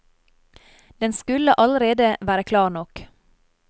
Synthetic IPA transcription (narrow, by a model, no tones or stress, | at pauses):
d̪̥ɛnskʉləʔɑləɾeːd̪əʋæːɾəkʰlɑːɳɔk